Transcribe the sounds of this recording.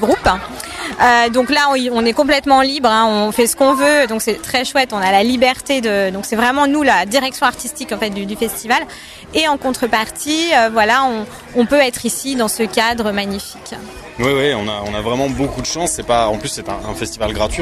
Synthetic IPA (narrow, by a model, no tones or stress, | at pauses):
ɡʁup | ød̪ɔ̃klaɔ̃iɔ̃nɛkɔ̃p̬lɛt̪mɑ̃libʁɛ̃ɔ̃fɛsə̥kɔ̃vød̪ɔ̃ksɛt̪χɛʃwɛt̪ɔ̃nalalibɛʁt̪ed̪əd̪ɔ̃ksɛvʁɛmɑ̃nulad̪iʁɛksjɔ̃aʁt̪ist̪ikɑ̃fɛt̪̚d̪yd̪yfɛst̪ival | eɑ̃kɔ̃t̪χəpaʁt̪ʰiøvwalaɔ̃ | ɔ̃pøɛt̪χisid̪ɑ̃səkad̪ʁəmaɲifi̥kʲ | wiwiɔ̃naɔ̃navʁɛmɑ̃bokud̪əʃɑ̃sːɛpaɑ̃plysːɛt̪ɛ̰̃ɛ̰̃fɛst̪ivalɡʁat̪ɥi